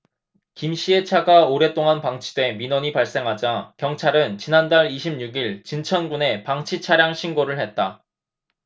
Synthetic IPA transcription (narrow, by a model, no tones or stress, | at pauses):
kimɕ͈ie̞t͡ɕʰaɡaoɾe̞t͈oŋanpaŋt͡ɕʰi̥dwe̞minʌɲipaɭs͈e̞ŋɦad͡ʑakjʌŋt͡ɕʰaɾɯnt͡ɕinandaɭiɕʰimɲuɡiɭt͡ɕint͡ɕʰʌnɡune̞paŋt͡ɕʰit͡ɕʰaɾjaŋɕʰinɡoɾɯɭhe̞t̚t͈a